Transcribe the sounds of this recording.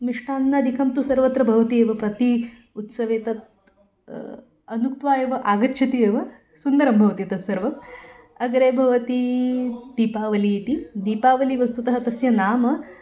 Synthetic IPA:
miʂʈaːnnɐɐd̪ʱikʰɐmt̪usɐɾʋɐt̪ɾɐbʱɐʋɐt̪ieːʋɐpɾɐt̪i | ut̪sɐʋeːt̪ɐt̪̚ | ɐnukt̪ʋaːjɐʋɐʔaːɡɐtːʃʰɐt̪ieːʋɐ | sund̪ɐɾɐmbʱɐʋɐt̪it̪ɐt̪sɐɾʋɐm | ɐɡɐɾeːbʱɐʋɐt̪id̪̥iːpaːʋɐliːt̪id̪iːpaːʋɐliʋɐst̪ut̪ɐɦɐt̪ɐsjɐnaːmɐ

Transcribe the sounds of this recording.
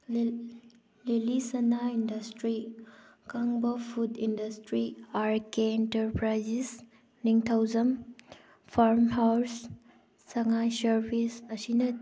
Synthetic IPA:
lelisɐnaindɐstɾikaŋbɐpʰudindɐstɾiaɾkeentɐɾpɾajzis | niŋtʰawzɐm | pʰaɾmhawsː | ɐŋajsɐɾbʱisɐsinɐ

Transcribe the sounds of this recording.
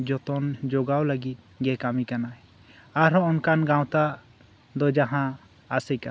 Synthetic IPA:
d͡ʒɔt̪ɔnd͡ʒɔɡawləɡit̪̚ɡɛkamikana | aɾɦɔɔnkanɡãwt̪a | d̪ɔd͡ʒaɦãː | səjka

